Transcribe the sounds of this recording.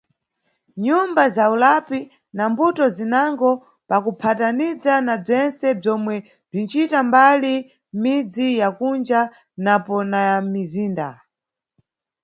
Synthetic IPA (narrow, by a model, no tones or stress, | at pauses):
ɲumbazaulapi | nambutɔzinaŋɡɔ | pakupʰatanid͡zanab͡ʐɛnsɛb͡ʐɔmwɛ | b͡ʐint͡ʃitambali | mid͡zijakund͡ʒa | napɔnajamiziːnda̰